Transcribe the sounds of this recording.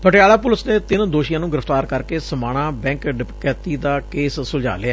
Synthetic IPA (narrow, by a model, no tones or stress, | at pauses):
pəʈɪjaːlaːp̬ʊlɪsneːt̪ɪnd̪oːʃɪjãːnũːɡɪɾəft̪aːɾkəɾkeːsəmaːɽ̃aːbɛ̃ːŋkɖɪpkɛːt̪iːd̪aːkeːsːʊd͡ʒa̰ːlɪaː